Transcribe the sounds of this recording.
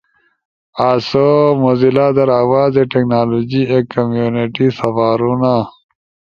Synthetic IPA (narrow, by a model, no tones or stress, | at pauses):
aːsomozilaːd̪ɐɾaːwaːzeʈeknaːloːd͡ʑiekɐmjuːniʈisɐfaːɾuna